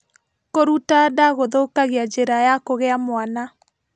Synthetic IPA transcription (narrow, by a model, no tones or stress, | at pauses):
koɾutadaɣoðokaɣead͡ʒeɾajakoɣeamwana